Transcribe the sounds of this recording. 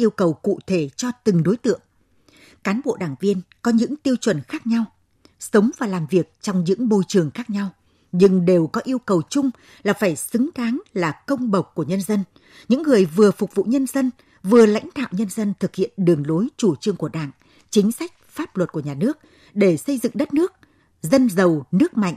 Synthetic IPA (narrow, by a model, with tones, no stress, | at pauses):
ʔi˧əwkə˨˩wkṵ˧˨t̪ʰe˧˩t͡ɕɔ˧t̪ɨ˨˩ŋɗo˨˦jt̪ɨ̰˧˨əŋ | kaː˨˦nɓo̰˧˨ɗaː˧˩ŋvi˧ənkɔ˨˦ɲɨ̰˧˥ŋt̪i˧əwt͡ɕwə˨˧˩nxaː˦˥k̚ɲa˧w | sə˨˦wŋ͡mvaː˨˩laː˨˩mvi˨˩ək̚t͡ɕɔ˧wŋ͡mɲɨ̰˧˥ŋɓo˧jt͡ɕɨ˨˩əŋxaː˦˥k̚ɲa˧w | ɲɨ˧ŋɗe˨˩wkɔ˨˦ʔi˧əwkə˨˩wt͡ɕʊ˧ŋ͡m | laː˨˩faː˧˩jsɨ˨˦ŋkaː˨˦nlaː˨˩kə˧wŋ͡mɓə˨˩wk͡p̚kːu˧˩əɲə˧nzə˧n | ɲɨ̰˧˥ŋːɨ˨˩əjvɨ˨˩əfʊ˨˩k͡p̚vṵ˧˨ɲə˧nzə˧n | vɨ˨˩əla̰˧˥jŋ̟ɗa̰ː˧˨wɲə˧nzə˧nt̪ʰɨ˨˩k̚hḭ˧˨ənɗɨ˨˩əŋlo˨˦jt͡ɕu˧˩t͡ɕɨ˧əŋku˧˩əɗa̰ː˧˨ŋ | t͡ɕï˨˦ŋ̟sa˦˥jk̟̚faː˦˥p̚lwə˨˩t̚ku˧˩əɲaː˨˩nɨ˦˥ək̚ | ɗe˧˩sə˧jzɨ̰˧˨ŋɗə˦˥t̚nɨ˦˥ək̚ | zə˧nzə˨˩wnɨ˦˥ək̚ma̰˧˨jŋ̟ʔ